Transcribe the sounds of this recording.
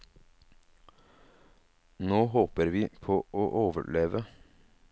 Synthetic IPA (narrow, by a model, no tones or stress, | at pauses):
noːɦoːpəɾʋiːpʰoːʔoːʔoːʋə̰ɭeːʋə